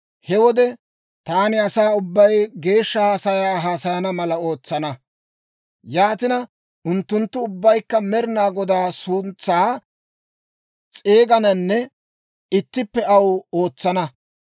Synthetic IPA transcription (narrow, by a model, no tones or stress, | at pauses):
hɛwɔd̪ɛ | t̪aːnɪɐsaːʊbːɐjɡe̞ːʃːɐhaːsɐjaːɦaːsɐjɐnɐmɐlɐo̞ːt͡sːɐnɐ | jaːt̪ɪnɐ | ʊnt̪ːʊnt̪ːʊʊbːɐjkːɐmɛɾɪnaːɡɔd̪aːsʊnt͡sːaː | t͡sʼeːɡɐnɐnːɛ | ɪt̪ːɪpːɛɐwo̞ːt͡sːɐnɐ